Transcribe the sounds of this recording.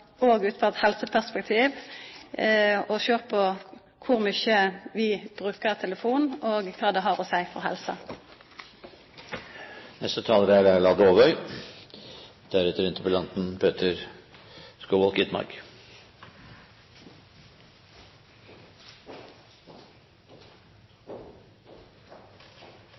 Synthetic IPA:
oːɡʉːt̪fɔt̪hɛlsəpʰæʁspɛk̚t̪ʰiːʋ | ɔçøːʁpʰɔ | kʰʊʁmʏçəʋɪb̥ʁʉːkəʁt̪ʰɛləfuːnoːɡkʰɑːd̪ɛɦɑʁɔsæɪfɔ̰ʁhɛ̰lsə | nɛst̪ət̪ʰɑːləɾæd̪æɭɑːd̪oːʋœʏ | d̪̥æɾɛt̪əɾɪnt̪əpɔlɑnt̪n̩pʰøːt̪ʰəɾ | skoːʋɔlkɪt̪mɑ̰ɾɡ

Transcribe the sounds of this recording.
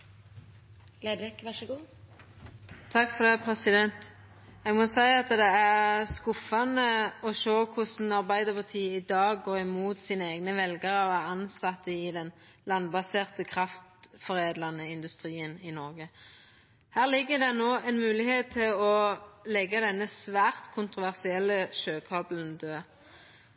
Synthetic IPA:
lɛkɑʃɡuː | t̪ʰɑkːfɔʁd̪ɛpʰʁɛsɪd̪ɛnt̪ | ɛɡmɔsæɪɑt̪d̪ɛæʁskʊfɑnəɔʃoːkʰʊsn̩ɑʁbæɪd̪əpʰɑʁt̪ʰiːəɪd̪ɑːɡoːʁɪmuːt̪siːnəeːɡnəʋɛlɡəʁɔæʁɑnsɑt̪ːəɪd̪ɛn | lɑnbɑseːʁt̪əkʰʁɑft̪fɔʁeːd̪lɑnəɪnd̪ʉst̪ʁiːənɪnɔʁɡə | hæːʁlɪɡːəd̪ɛnoːɛnmʉːlɪheːt̪ʰːɪlɔlɛɡːɑd̪ɛnːəsʋæːʁt̪kʰʊnt̪ʁʊʋæʁsɪɛlːəʃøːkʰɑblnd̪øː

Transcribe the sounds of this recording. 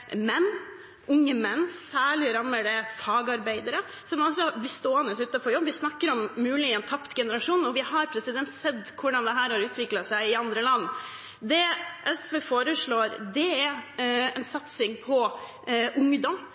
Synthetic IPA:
mɛnː | ʔʊŋːəmɛnːsæːɭɪɾɑmːəɖɛfɑːɡɑɾbæɪd̪əɾə | sɔmɔsɔblɪst̪oːɛnəsʉːt̪ɑfɔɾjɔbːʋɪsnɑkːəɾɔmːʉːlɪɛnt̪ʰɑpt̪ɡɛnəɾɑʂuːnɔʋɪhɑɾpʰɾɛsɪd̪ɛnt̪sɛd̪kʰʊɖɑnd̪ɛɦæːɾhɑɾʉːt̪ʋɪklɑsæɪɪɑnd̪ɾəlɑnː | d̪ɛʔɛsʋeːfoːɾəʂɭoːɾd̪ɛæɛnsɑt̪sɪŋpʰɔ | ʔʊŋd̪ɔm

